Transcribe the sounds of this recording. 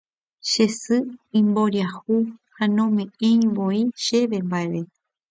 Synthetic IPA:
ʃe̞sɨĩmboɾiahuhanõmẽẽj̃ʋoiʃe̞ʋembaeβe

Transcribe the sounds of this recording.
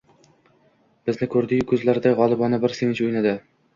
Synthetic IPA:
b̥ɪznɪkʰɵɾd̪ɪɡʲkʰɵzlaɾd̪aʁɒlˠɪbɒnɪbɪɾsevɪt͡ʃɵjnad̪ɪ

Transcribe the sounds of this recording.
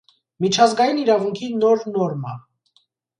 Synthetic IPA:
mit͡ʃʰɑzɡɑjiniɾɑvuŋkʰinɔɾnɔɾmɑ

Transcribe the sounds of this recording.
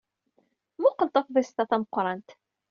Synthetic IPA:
muqəlt̪ˤɑθðæst̪ɑθæməqːɾˤɑnt̪

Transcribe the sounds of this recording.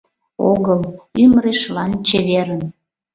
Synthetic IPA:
oɣəlymɾeʃlɑnt͡ɕeβeɾən

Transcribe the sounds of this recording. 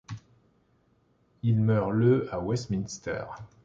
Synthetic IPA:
ilmœʁləawɛst̪minst̪ɛ̰ːʁ

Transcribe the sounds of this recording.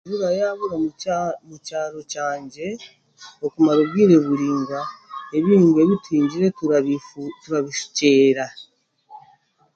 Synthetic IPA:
βuɾajaβuɾamucaːɾo̞caːɲɟe̞ | okumaɾoβɡiːɾe̞βuɾiːŋɡae̞βiɾiːŋɡe̞βitiːɲɟiɾe̞ | tuɾaβiʃu̥ce̞ːɾa

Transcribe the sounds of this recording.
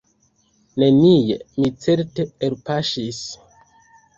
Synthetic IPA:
ne̞nijḛmit͡se̞ɾteeɾpaʃis

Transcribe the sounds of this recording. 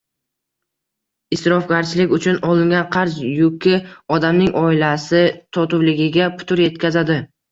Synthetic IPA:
ɪsɾɒfɡʲaɾt͡ʃʰɪlɪkʲʊt͡ʃʰʊnɒlˠɪŋɡʲanqʰɑɾzjʊkʲɪɒd̪amnɪŋʔɒɪlasɪt̪ʰɒt̪ʊvlɪɡʲɪɡʲapʰʊ̥t̪ʰʊɾje̞t̪̚kʲʰazad̪ɪ

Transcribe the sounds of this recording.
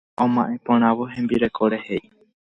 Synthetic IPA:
õmãʔẽ̞põɾ̃ãʋoɦẽ̞mbiɾe̞kʰoɾe̞he̞j

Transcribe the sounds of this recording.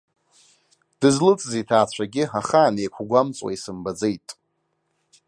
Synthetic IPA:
d̥ɨzlɨt͡sʼzitʰaːt͡ɕʷʰaɡʲɪaχaːnejkʷʰɡʷamt͡sʼwa̰isɨmbad͡zejtʼ

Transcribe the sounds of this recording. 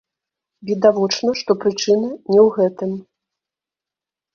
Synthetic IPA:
vʲid̪avɔt͡ʂnɐʂt̪ɔpɾɨt͡ʂɨnɨnʲɛwɣɛt̪ɨm

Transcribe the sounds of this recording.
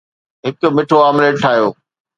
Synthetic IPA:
ɦɪkmɪʈʰoaːmleːʈʈʰaːjoː

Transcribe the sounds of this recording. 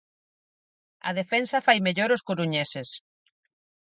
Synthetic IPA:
ɐ̰ð̞efɛnsɐfajmeʎoɾoskoɾuɲeses

